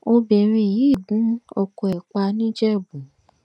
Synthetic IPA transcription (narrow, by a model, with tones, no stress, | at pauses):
o˧be˨ɾ̃ĩ˧˨ji˨˦˨ɡũ˨˦ɔ˧ko˨ɛ˨k͡pa˧nĩ˦d͡ʒɛ˦˨bũ˨